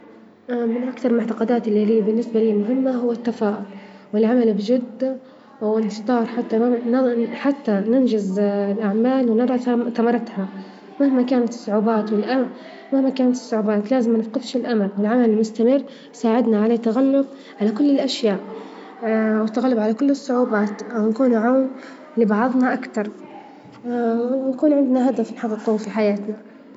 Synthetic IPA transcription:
ʔamɪnʔakt̪ɑɾˤmʊʕt̪ɑqɑd̪aːt̪ʔɪlːiliːbɪnːɪsbaliːmʊɦɪmːaɦʊwːat̪ːafaːʔʊl | wɪlʕamalbd͡ʒɪd̪ː | wɪnt̪ˤɑːɾˤħat̪ːanħat̪ːanɪnd͡ʒɪzɪlʔaʕmaːlwnɑɾˤɑθamɑɾˤɑt̪ha | mahmakaːnat̪ɪ̥sˤːʊʕuːbaːt̪wɪlʔa | mahmakaːnat̪ɪ̥sˤːʊʕuːbaːt̪laːzɪmːanɪfqɪfʃɪlʔamalwɪlʕamalɪlmʊst̪amɪrː | saːʕɪd̪naʕaleːt̪ːaɣalːʊb̚ | ʕalakʊlːɪlʔaʃjaːʔ | wɪt̪ːaɣalːʊbʕalakʊlːɪsˤːʊʕuːbaːt̪wnakuːnʕawm | lɪbɑʕɑðˤnɑʔakt̪ɑɾˤ | wɪnakuːnʕɪnd̪naɦad̪afnħɑd̪ˤːquːfiħajaːt̪na

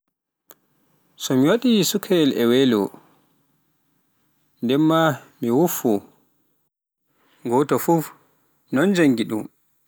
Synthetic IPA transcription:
sɔmiwaɗisukʰɛɛlɛwɛlɔ̰ | ndɛmːamiwufːu | ɡɔtɔfuf | nɔnd͡ʒaŋɡiɗṵm

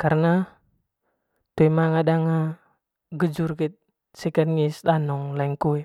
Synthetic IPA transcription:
karna | t̪uɛmaŋadaŋa | ɡəd͡ʒurkɛt̪̚ | sɛkanŋisd̪anɔŋlaiŋkuɛ

